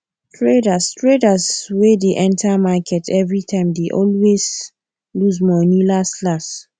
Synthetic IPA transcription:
tʰɹedastʰɹedaswedeʔɛ̃ntʰamakʰɛtʰɛvɹitʰãɪ̃mdeʔɔlwez | lusmɔnilaslas

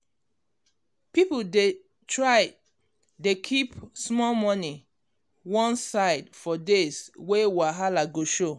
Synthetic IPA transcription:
pipode | tʰɹaɪ | dekʰipsmɔlmɔni | wɔ̃nsaɪdfɔdeswewaɦalaɡoʃo

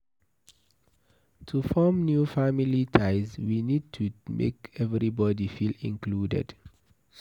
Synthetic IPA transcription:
tʰufɔmnjufamilitʰaɪzwinid̚tʰumʔḛkɛvɾibɔdifilḭ̃ŋkludɛ̰d̥

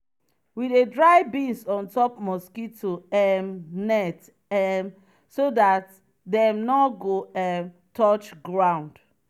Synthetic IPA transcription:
widedɹaɪbĩnsɔ̃ntɔpmɔskitːoɛmnɛt | ɛm | sodat | dɛmnɔɡoɛm | tʰɔt͡ʃɡɹãʊ̃nd̥

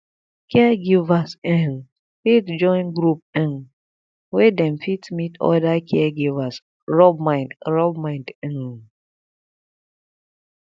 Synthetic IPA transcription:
kɛaɡivasɛ̃n | fitd͡ʒɔ̃ɪ̃nɡɹup̚ɛ̃n | wedɛ̃mfitmitɔ̰dakʰɛaɡivas | ɹɔbmajnɹɔbmãɪndɛ̃n

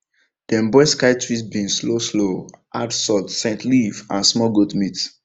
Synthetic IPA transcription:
d̥ɛ̃mbɔɪskaɪtɹisbĩnslosloʔadsɔtsɛ̃ntʰlivãnsmɔɡotmit

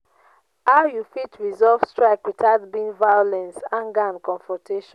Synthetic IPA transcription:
aʊjufitɹizɔlvstɹaɪkwitaʊtbĩnvajolɛ̃nsãŋɡaãnkɔ̃ɱfɹɔ̃tʰeʃɔ̃

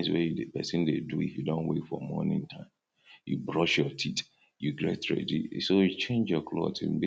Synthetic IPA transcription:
swɛjudepɛsĩndeduḭfjudõnwetfɔ̰mɔ̰nɪ̰̃ŋtʰãɪ̃m | jṵbɹɔʃjɔtʰit | juɡɹɛtɹɛ̰disojut͡ʃẽnd͡ʒjɔkʰlo̰tṵ̃be

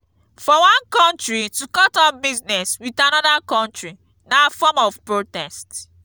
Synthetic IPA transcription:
fɔwɔ̃nkɔ̃ntɹitukɔtɔbiznɛswitanɔdakɔ̃ntɹi | nafɔmɔvpɹotɛst

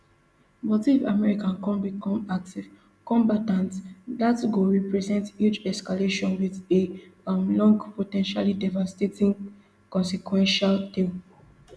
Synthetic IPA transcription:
bɔtifa̰mɛɹikãnkɔ̃nbikɔ̃mak̚tiv̥ | kɔ̃mbatãntdatɡoɹipɹɛzɛ̃ntsjit͡ʃɛskaleʃɔ̃nwiðeãmlɔ̃ŋɡpotɛ̃nʃalidɛvastetĩŋ | kɔ̃nsikʰwɛ̃nʃalte

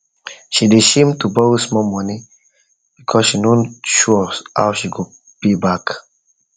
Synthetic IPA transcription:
ʃideʃẽmtubɔsmɔmɔni | b̥ikʰɔsʃinõʃuɔha̰wʃiɡo | b̥ibak

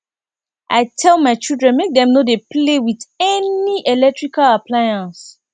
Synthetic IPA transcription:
ʔa̰ɪtʰɛlˠmaɪt͡ʃildɹɛ̃nmek̚dɛ̃mnodeplewidɛniʔelɛk̚tɹikalaplajãns

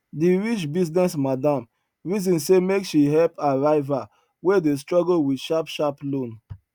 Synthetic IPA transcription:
diɹit͡ʃbiznɛsmadãm | ɹizɔ̃nsemekʃiɦɛlpaɹaɪva | wedes̬tɹɔɡowidʃapʃaplõn

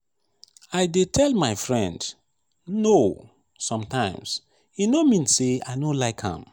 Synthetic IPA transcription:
aɪdetʰɛlmaɪfɹɛ̃nd | no | sɔ̃mtãɪ̃ms | inomĩnsea̰ɪnõlaɪkhã̰m

